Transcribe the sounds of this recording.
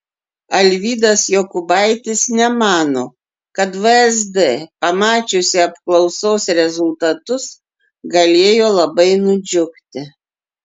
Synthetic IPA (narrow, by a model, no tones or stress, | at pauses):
ɐlʲʋʲiːd̪ɐsjoːkʊbɑɪt̪ʲɪsnʲɛmɑːnoː | kɐt̪ʋɨɛzd̪ɛpɐmɑːt͡ʃʲʊsʲɪɐpklˠɒʊsoːsɾʲɛzʊlˠt̪ɐt̪ʊs | ɡɐlʲeːjoːlˠɐbɐɪnʊd͡ʒʲʊkt̪ʲɪ